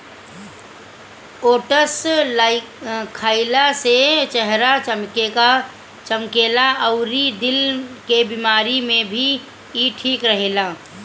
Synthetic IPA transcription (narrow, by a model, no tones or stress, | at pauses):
oːʈəslaɪ | kʰːaːɪlaset͡ʃəɦɾat͡ʃəmkeka | t͡ʃəmkeːlaəʊɾid̪ɪlkebimaːɾimẽbʱi | iʈʰiːkɾəɦeːlaː